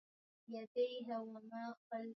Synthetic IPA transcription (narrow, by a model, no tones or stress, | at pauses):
jad̪ajɦawamaːqɑl